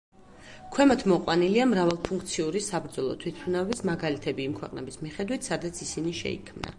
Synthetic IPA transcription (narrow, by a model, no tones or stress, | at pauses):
kʰwɛmat̪ʰmɔqʼwaniliamɾavalˠpʰuŋkʰt̪sʰiuɾisabɾd̪zɔlˠɔ̰t̪ʰwit̪̚ʰpʰunavɛbismaɡalit̪ʰɛbiːmkʰwɛqʼnɛbismiχɛd̪wit̪ʰsad̪at̪sʰisiniʃɛ̰ḭkʰmna̰